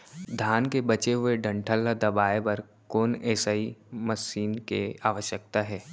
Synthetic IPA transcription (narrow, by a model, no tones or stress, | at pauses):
d̪ʱaːnkebɐt͡ʃeɦʊeɖə̃ɳʈʰəlːad̪ɐbaːepɐɾ | koːnɛːsaːimɐsiːnkeaːʋəʃjək̚t̪aɦɛː